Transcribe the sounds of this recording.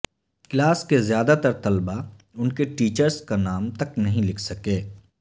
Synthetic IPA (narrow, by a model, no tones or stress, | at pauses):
klaːskezjaːd̪at̪ɐɾt̪ɐlba | ʊnkeʈiːt͡ʃəɾskanaːmt̪ɐknɐɦĩlɪkʰsɐkeː